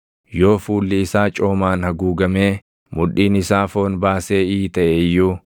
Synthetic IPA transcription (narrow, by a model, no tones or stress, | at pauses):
jo̞ːfuːlːɪɪsaːt͡ʃʼo̞ːmaːnhɐɡuːɡɐmeː | mʊᶑiːnɪsaːfo̞ːnbaːse̞ːiːt̪ɐʔɛjːuː